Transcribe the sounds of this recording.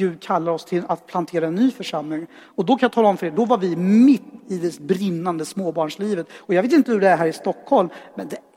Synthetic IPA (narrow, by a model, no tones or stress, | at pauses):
ʉkʰalːaɾɔst̪ʰɪlat̪̚pʰlant̪ʰeːɾaɛnːyːfœʂamlɪŋ | ɔd̪ɔkʰanjat̪ʰɑːlaɔmfœɾeːɖɔvaɾvɪmɪt̪ːɪd̪ɛbɾɪnːand̪əsmoːbɑːɳʂliːvət̪ɔjɑɡveːt̪ɪnt̪əhɵɖɛæɾɦæːɾɪst̪ɔkːhɔlmːɛnd̪ɛ